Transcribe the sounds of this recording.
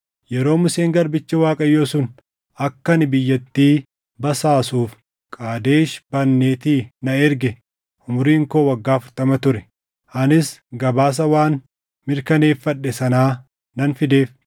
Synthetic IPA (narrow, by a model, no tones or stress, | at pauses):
jɛɾo̞ːmʊseːŋɡɐɾbɪt͡ʃːɐwaːkʼɐjːo̞ːsʊn | ɐkːɐnɪbɪjːɐt̪ːiː | bɐsaːsuːf | kʼaːd̪e̞ːʃb̥ɐnːeːt̪iːnɐɛɾɡɛ | ʔʊmʊɾiːŋko̞ːwɐɡːaːfʊɾt̪ɐmɐt̪ʊɾɛ | ʔɐnɪsɡɐbaːs̬ɐwaːn | mɪɾkɐne̞ːfːɐᶑːɛsɐnaː | nɐnfɪd̪e̞ːf